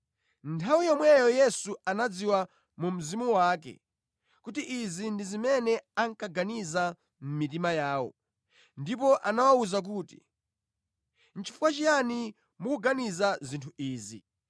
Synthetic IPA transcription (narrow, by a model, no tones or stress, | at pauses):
ntʰawijɔmwɛjɔjɛsuanad͡ziwa | mum̩zimuwaːk̬ɛ̰ | kutiʔizindizimɛnɛaŋkaɡaniza | m̩mit̬imajaːwɔ̰ | ndipɔʔanawauzak̬uːti̥̰ | n̩t͡ʃʰi̥fukwat͡ʃijani | mukuɡanizazintʰuʔiːzḭ